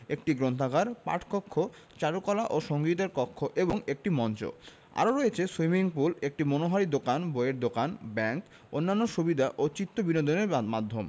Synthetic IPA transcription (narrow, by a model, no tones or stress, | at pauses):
ek̚ʈiɡɾont̪ʰaɡʱaɾpa̰ʈʰkɔkʰːo | t͡ɕaɾukɔlaʔoʃoŋɡit̪̬eɾkɔkʰːoʔeboŋek̚ʈimɔnt͡ɕo̰ | a̰ɾoɾoet͡ɕʰeswimiŋpulek̚ʈimonoɦaɾid̪okanboeɾd̪okanbɛŋk | onːanːoʃubid̪ʱaʔot͡ɕit̪ːobinod̪oneɾmad̪ʱːom